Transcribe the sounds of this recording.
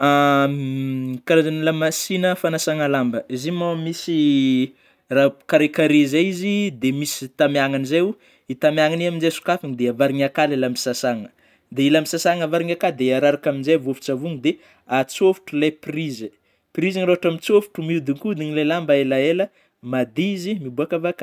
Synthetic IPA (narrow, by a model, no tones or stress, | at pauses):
a | kaɾazanilamasinəfanasaŋəlambəizimamisi | rakaɾekaɾezaizid̪emisi̥t̪amjaŋanizeu | it̪amjaŋaniaminzejsu̥kafiŋid̪eavaɾiɲakalelambisasaŋə | d̪eilambisasaŋavaɾiŋakad̪eaɾaɾakaminzajvofu̥t͡savuŋd̪e | at͡sofu̥ʈ͡ʂulaprizə | prizaŋɾoaʈ͡ʂamit͡sofu̥ʈ͡ʂumiud̪iŋkud̪iɲilelambaelaelə | mad̪iizimibuakavakḁ